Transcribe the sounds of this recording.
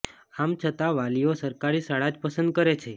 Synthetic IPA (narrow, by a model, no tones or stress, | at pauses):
amt͡ʃʰət̪aʋaliosəɾkaɾisaɭad͡ʒpəsənd̪̚kəɾet͡ʃʰe